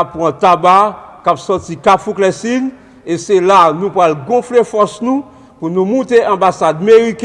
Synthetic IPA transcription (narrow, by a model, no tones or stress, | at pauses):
apːwãt̪abakapsɔt͡sikafuklɛsin | eselanũpɣalɡɔ̃flefɔsnũ | punũmũteʔɑ̃basad̪̚meʁik